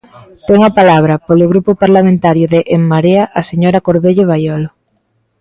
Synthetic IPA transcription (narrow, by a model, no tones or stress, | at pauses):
t̪ɛŋɐpalaβ̞ɾɐpolʊɣɾupʊpaɾlamẽnt̪aɾjʊðeʔemmaɾeɐʔaseɲoɾɐkoɾβeʎoβ̞ajɔlʊ